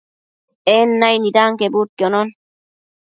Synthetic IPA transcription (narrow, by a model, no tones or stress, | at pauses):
ɛnːajnid̪aːŋkebut̪̚kɔnɔn